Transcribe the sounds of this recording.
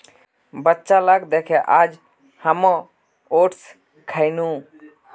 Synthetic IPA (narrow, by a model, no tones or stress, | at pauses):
bətːʃalaɡd̪ekʰeʔad͡ʒ | həmɔ̃ | oʈs | kʰəɪnũ